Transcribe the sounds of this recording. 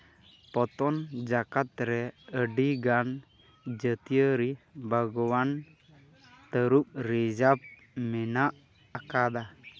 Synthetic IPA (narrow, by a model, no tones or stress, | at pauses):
pɔt̪ɔnd͡ʒakat̪̚ɾɛəɖiɡan | d͡ʒət̪ijəɾibʱəɡɔwan | t̪əɾup̚ɾɛd͡ʒap̚ | mɛnaʔ | akad̪a